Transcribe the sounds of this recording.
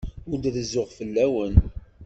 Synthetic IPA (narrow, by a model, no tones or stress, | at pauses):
ʊɾd̪ðəzʊʁfəlːæwən